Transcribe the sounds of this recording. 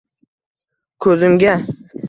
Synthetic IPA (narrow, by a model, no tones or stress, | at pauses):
kʰɵzɪmɡʲa